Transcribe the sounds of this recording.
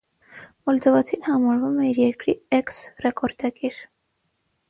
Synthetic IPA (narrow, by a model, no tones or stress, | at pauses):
mɔld̪ɔvɑt͡sʰinhɑmɑɾvumɛiɾjɛɾkɾiɛksrɛkɔɾd̪ɑɡiɾ